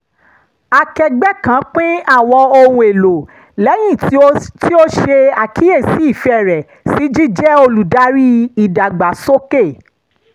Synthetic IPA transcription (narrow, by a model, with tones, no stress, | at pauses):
a˨kɛ˧ɡ͡bɛ˦kã˨˦k͡pĩ˦a˦˨w̃ɔ˧o˧wũ˧e˨lo˨ | lɛ˨˦j̃ĩ˦˨tti˦o˦ʃe˧a˨kʰi˨˦e˦˨si˨˦i˦˨fɛ˦˨ɾɛ˨ | si˨˦d͡ʒi˦d͡ʒɛ˦o˧lu˨da˨˦ɾi˦i˨da˨ɡ͡ba˨so˦ke˦˨